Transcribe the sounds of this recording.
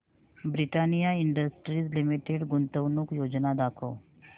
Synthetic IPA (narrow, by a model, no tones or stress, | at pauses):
bɾiʈanijaiɳɖəsʈɾislimiʈeɽɡunt̪əʋnukjod͡ʑnad̪akʰo